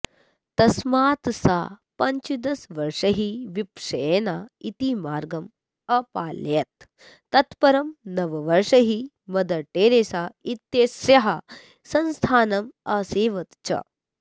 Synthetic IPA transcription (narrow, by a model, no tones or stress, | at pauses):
t̪ɐsmaːt̪sa̰pɐɲt͡ʃid̪ɐsʋɐɾʂɐɦiʋipʂɐenait̪imaːɾɡɐm | ɐpaːljɐt̪ː | ɐt̪pɐɾɐmnɐʋɐʋɐɾʂɐɦi | mɐd̪ɐʈːeːɾeːsaːit̪jesjɐɦɐ | sɐnst̪ʰaːnɐmɐseːʋɐt̪t͡ʃɐ̰